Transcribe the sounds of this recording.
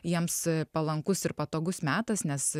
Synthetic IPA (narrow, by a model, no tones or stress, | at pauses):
jiɛmspɐlˠɐŋkʊsɪrpɐt̪oːɡʊsmʲæːt̪ɐsnʲɛs